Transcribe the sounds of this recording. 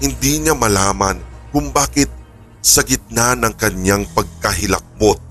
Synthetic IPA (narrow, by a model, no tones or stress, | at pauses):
hɪnd̪iɲamɐlaːmɐnkʊŋbaːkɪt̪̚ | sɐɡɪt̪̚nanɐŋkɐɲaŋpɐɡ̚kɐɦɪlɐ̰k̚bot̪̚